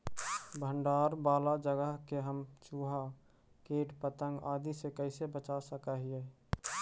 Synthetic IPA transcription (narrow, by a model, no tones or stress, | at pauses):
bʱəɳɖaːɾbaːlad͡ʒəɡəɦkeɦəmt͡ʃuːɦa | keːʈpət̪əŋɡaːd̪isekəɪsebət͡ʃasəkaɦie